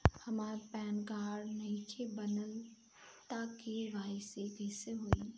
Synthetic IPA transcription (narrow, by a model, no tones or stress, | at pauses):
hɐmaːɾpɛːnɡaːɾnɐɦĩt͡ʃʰebənəl | t̪akeʋaːɪsekɛːseɦoːi